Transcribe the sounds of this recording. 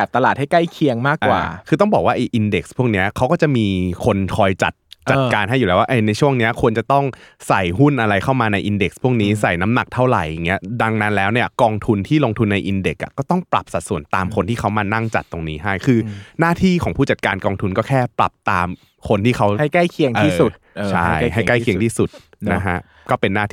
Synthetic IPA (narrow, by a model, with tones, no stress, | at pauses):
ɛ˨˩p̚t̪a˧laː˨˩t̪̚ha˥˩jka˥˩jkʰi˧əŋmaː˥˩kʔwa̰ː˨˩kʰɯː˧t̪ɔ˥˩ŋbɔː˨˩k̚waː˥˩ʔa˧jʔi˧nde˨˩k̚spʰu˥˩ək̚ni˦˥ɐkʰa˦wkɔː˥˩t͡ɕa˨˩miː˧kʰo˧nkʰɔː˧jt͡ɕa̰˨˩t̪̚t͡ɕa˨t̪̚ːkaː˧nɦa˥˩jːu˨˩lɛː˦˥waː˥˩ʔa˧˩na˧jt͡ɕʰu˥˩əŋni˦˥ɐkʰu˧ənt͡ɕa˨˩t̪ɔ˥˩ŋsa˨˩jɦu˥˩nʔa˧ɾa˧jkʰa˥˩wmaː˧na˧jʔi˧nde˨˩k̚spʰu˥˩ək̚niː˦˥sa˨˩jna˦˥mna˨˩k̚t̪ʰa˥˩wɾa̰˨˩ja˨˩ŋːi˦˥ɐda˧ŋna˦˥nlɛː˦˥wni˥˩ɐkɔː˧ŋt̪ʰu˧nt̪ʰiː˥˩loː˧ŋt̪ʰu˧nːa˧jʔi˧nde˨˩k̚ʔa̰˨˩kɔː˥˩t̪ɔ˥˩ŋpɾa˨˩p̚sa˨˩t̪̚su˨˩˦ənt̪aː˧mkʰo˧nt̪iː˥˩kʰa˦˥wmaː˧na˥˩ŋt͡ɕa̰˨˩t̪ːo˧ŋniː˦˥ɦa˥˩jkʰɯː˧naː˥˩t̪ʰiː˥˩kʰɔː˩˦ŋpʰuː˥˩t͡ɕa˨˩t̪̚kaː˧nkɔː˧ŋt̪ʰu˧nkɔː˥˩kʰɛː˥˩pɾa̰˨˩p̚t̪aː˧m | kʰo˧nt̪iː˥˩xʰa˦˥wa˥˩jka˥˩jkʰi˧əŋʰiː˥˩su˨˩t̪̚ː | t͡ɕʰa˥˩jɦa˥˩ka˥˩jʰi˧ət̪ʰiː˥˩su˨˩t̪̚ | na˦˥kʰa˦˥ʔ | kɔː˥˩pe˧nːaː˥˩t̪ʰ